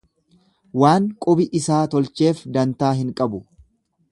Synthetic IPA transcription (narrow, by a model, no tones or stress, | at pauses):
waːŋkʼʊbɪʔɪsaːt̪ɔlt͡ʃe̞ːfd̪ɐnt̪aːɦɪŋkʼɐbʊ